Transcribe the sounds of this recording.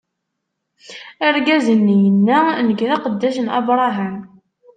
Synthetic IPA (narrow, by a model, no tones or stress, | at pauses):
əɾɡæzənːijənːænəɡðaqəd̪ːæʃənɑ̰bɾˤɑɦæm